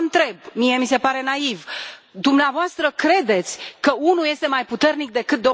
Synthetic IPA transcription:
nt̪ɾe̞bmije̞mise̞paɾe̞naivd̪umneavoast̪ɾəkɾe̞d̪e̞t̪sʲkəunuje̞st̪e̞majput̪e̞rnik̚d̪e̞kɨt̪̚d̪o

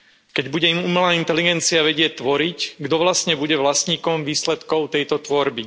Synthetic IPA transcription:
kɛɟbuɟɛimumɛlaːint̪ɛliɡɛnt͡siaʋɛɟɪɛt̪ːʋɔɾicɡd̪ɔʋlast̪ɲɛbuɟɛʋlasɲiːkɔmʋiːslɛt̪kɔʊt̪ɛjt̪ɔt̪ʋɔɾbi

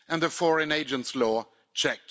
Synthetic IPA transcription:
ɨə̃nðəfɔɹɨ̃neɪd͡ʒə̃ntslɔ | t͡ʃʰɛk̚t

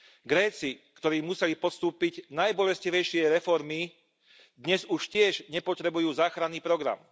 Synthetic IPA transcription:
ɡɾɛːt͡sikt̪ɔɾiːmusɛlipɔst̪uːpiɟnajbɔlɛsciʋɛjʃɪɛɾɛfɔɾmi | d̪ɲɛzuʃcɪɛʒɲɛpɔt̪ɾɛbujuːzaːxɾanːiːpɾɔɡɾa̰m

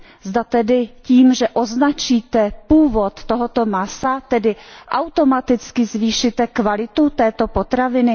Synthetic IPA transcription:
zdat̪ɛdɪciːmʒɛʔoznat͡ʃiːt̪ɛpuːvo̞t̪ːo̞ɦot̪o̞masat̪ɛdɪʔawt̪o̞mat̪ɪt͡skɪzviːʃɪt̪ɛkvalɪt̪ut̪ɛːt̪o̞po̞t̪ɾavɪnɪ

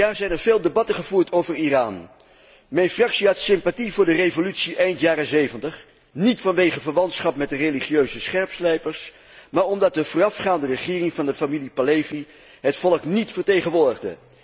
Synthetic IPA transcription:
aːɹzɛjnəɹveːlˠdebɑtəχəv̥uːɹtʰowvəɹiraːn | mɛjnfrɑksiatsɪmpativʊːɹdərejvolytsiʔɛjntjaːɾəzejvəntəχ | nitfɑnʋejχəvəɹʋɑntsχɑpmɛt̚dəreliχiøɥzəsχɛɹpslɛjpəɹs | maːɹɔmdɑt̚dəvʊːrɑfχaːndərəχɪːrɪŋvɑndəfamilipalejvi | ɦətfɔləknitfəɹtejχənʋʊːɹdəχdə̰

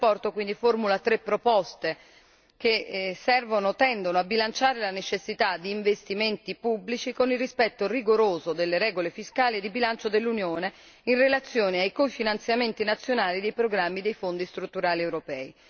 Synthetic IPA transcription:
pɔrt̪okwind̪iformulat̪ɾepːɾopɔst̪e | kesːɛrvonot̪ɛnd̪onoabːilant͡ʃaːɾelanet͡ʃesːit̪ad̪ːiːɱvest̪iment̪ipubːlit͡ʃikonilrispɛt̪ːoriɡoɾoːzod̪elːeɾɛːɡolefiskaːlied̪ːibilant͡ʃod̪elːunjoːne | inrelat̪sːjoːneajkofinant̪sjament̪inat̪sːjonaːlid̪ejpɾoɡɾamːid̪ejfond̪ist̪ɾut̪ːuɾaːliɛwɾopɛːi

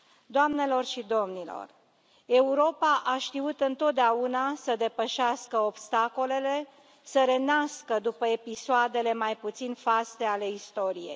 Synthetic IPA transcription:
d̪oamne̞lo̞rʃid̪o̞mnilo̞̰r | e̞uɾo̞paʔaʃt̪iut̪ɨnt̪o̞t̪̚d̪eaunasəd̪e̞pəʃaskəo̞bst̪ako̞le̞le̞ | səɾe̞naskəd̪upəepisoad̪e̞le̞majput̪sinfast̪e̞ale̞ist̪o̞ɾije̞̰j

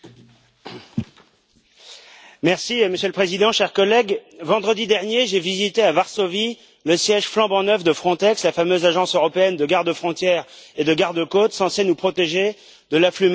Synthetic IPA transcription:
mɛʁsiməsjølpχezid̪ɑ̃ʃɛʁkɔlɛɡvɑ̃d̪ʁəd̪id̪ɛʁnjeʒevizit̪eavaʁsovi | ləsjɛʒflɑ̃bɑ̃nœvd̪əfχɔ̃t̪ɛkslafamøzaʒɑ̃søʁɔpeɛnd̪əɡaʁd̪əfχɔ̃t̪jɛʁed̪əɡaʁd̪əkot̪sɑ̃sɛnupχɔt̪eʒe | d̪əlaflym

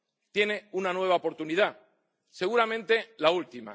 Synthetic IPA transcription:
t̪je̞ne̞unanwe̞β̞aopo̞ɾt̪unið̞a | se̞ɣ̞uɾamẽ̞nt̪e̞lault̪ima̰

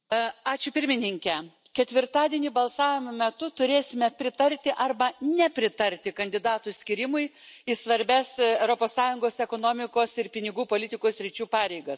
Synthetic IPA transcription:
ɑːt͡ʃʲʊpʲɪɾʲmʲɪnʲɪŋʲkʲɛ | kʲɛt̪ʲʋʲɪrt̪ɑːd̪ʲiɛnʲiːbɐlˠsɑːʋʲɪmomʲɛt̪ʊt̪ʊɾʲeːsʲɪmʲɛpʲɾʲɪt̪ɐɾʲt̪ʲɪʔɐrbɐnʲɛpʲɾʲɪt̪ɐɾʲt̪ʲɪkɐnʲd̪ʲɪd̪ɑːt̪ʊsʲkʲɪɾʲɪmʊɪɪsʋɐɾʲbʲɛsɛʊɾoːpoːssɑːjʊŋɡoːsɛkoːnoːmʲɪkoːsɪɾpʲɪnʲɪɡuːpoːlʲɪt̪ʲɪkoːsʲɾʲɪt͡ʃʲuːpɑːɾʲɛɪɡɐs

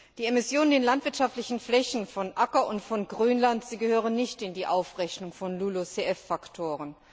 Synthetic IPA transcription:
d̥iːemɪsjoːnəndeːnlantv̥ɪɐtʃaftlɪçn̩flɛçn̩fɔnʔakɐʔʊntfɔnɡʁyːnlantz̥iːɡəhøːʁənːɪçtɪndiːʔaʊfʁɛçnʊŋfɔnluːlot͡seɛfːaktʰoːʁən

